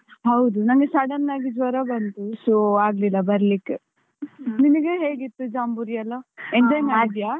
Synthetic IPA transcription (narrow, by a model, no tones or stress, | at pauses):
ɦɐwd̪unɐŋɡesɐɽɐnːaːɡid͡ʒʋɐɾɐbɐnt̪usoaːɡlilːɐbɐɾlikːe | ninɐɡeɦeːɡit̪ːud͡ʒaːmbuɾijɐlːɐeɲd͡ʒɐjŋaːid̪ijaː